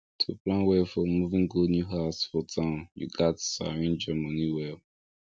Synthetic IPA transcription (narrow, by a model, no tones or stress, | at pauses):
tʰuplãnwɛfɔmuvĩŋɡonjuɦaʊsfɔtʰãʊ̃njṵɡatsa̰ɹĩnd͡ʒɛmoniwɛ